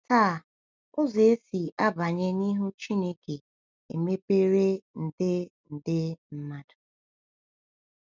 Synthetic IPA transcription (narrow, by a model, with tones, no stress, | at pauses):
taː˦˨ | ʊ˦ze˨e˦si˨ʔa˦ba˨ɲe˦ni˦ɦu˦t͡ʃi˦ne˦ke˨ | ḛ˨me˦pe˦ɾe˦n̩˨dɪ˦n̩˨dɪ˦m̩˦ma˦dʊ̥˨